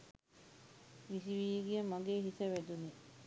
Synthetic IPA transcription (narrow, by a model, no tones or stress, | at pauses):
ʋisiʋiːɡiɐmɐɡeːɦiseʋed̪uni